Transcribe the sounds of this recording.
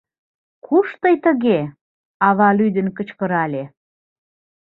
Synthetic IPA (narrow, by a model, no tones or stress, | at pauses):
kʰuʃt̪əjt̪ə̆ɣe | ɑβɑlyd̪ənkə̆t͡ɕkəɾɑlʲe